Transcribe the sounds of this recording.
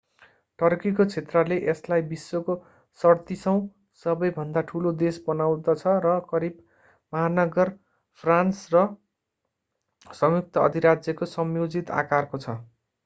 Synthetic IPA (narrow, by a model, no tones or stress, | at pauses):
ʈʌrkikot͡sʰet̪rʌleʔeslajbisːoko | sʌrt̪isʌw̃ | sʌbʌjbʱʌnd̪aʈʰulod̪esbʌnaw̃d̪ʌt͡sʰʌɾʌkʌɾib̚ | mʌɦanʌɡʌr | pʰransrʌ | sʌmjuk̚t̪ʌʌ̰d̪ʱiɾad͡zjʌkosʌmjod͡zit̪a̰karkot͡sʰʌ